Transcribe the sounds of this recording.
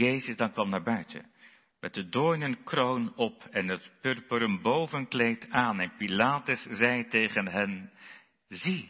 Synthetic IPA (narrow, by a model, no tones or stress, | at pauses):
ejzəzdɑŋkʋɑmnaːɹbœɥtʰə̰ | mɛt̚dədojnənkrownɔpɛnətpørpəɾəmbowvənklejtaːnɛnpilaːtəszɛjtejχənɦɛn | zi